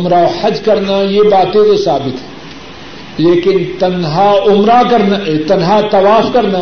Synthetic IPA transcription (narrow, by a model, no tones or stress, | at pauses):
ʊmɾaohɐd͡ʒkɐɾnajebaːt̪ẽsesaːbɪt̪ɦɛ̃ː | leːkɪnt̪ɐnɦaʊmɾakɐɾnaet̪ɐnɦat̪ɐʋaːfkɐɾna